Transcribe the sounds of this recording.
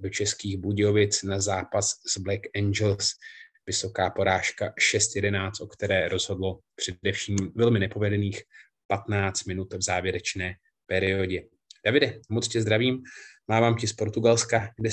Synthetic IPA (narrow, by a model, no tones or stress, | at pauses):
do̞t͡ʃɛskiːɣbuɟɪo̞vɪt͡snazaːpasz̥blɛkɛnd͡ʒɛlsvɪso̞kaːpo̞ɾaːʃkaʃɛst̪jɛdɛnaːt͡st̪o̞kt̪ɛɾɛːɾo̞zɦo̞dlo̞pr̝̥ɛdɛfʃiːmvɛlmɪnɛpo̞vɛdɛniːx | pat̪naːt͡st̪̚mɪnut̪vzaːvjɛɾɛt͡ʃnɛː | pɛɾɪo̞ɟɛ | d̥avɪdɛmo̞t͡scɛzd̪ɾaviːmmaːvaːmcɪspo̞ɾt̪uɡalskaɡdɛ